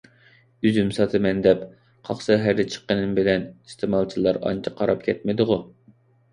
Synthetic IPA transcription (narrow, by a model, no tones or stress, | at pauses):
yzymsɑt̪ʰɨmɛnd̪ɛp | qʰɑχsɑɦæɾɪt͡ʃʰə̥qːənɨmbɪlɛnist̪ʰɨmɑlˠt͡ʃʰilˠɑɾɑ̰nt͡ʃʰɪ̥qʰɑɾɑpkʲʰɛt̪̚mɪd̪ɨʁʊ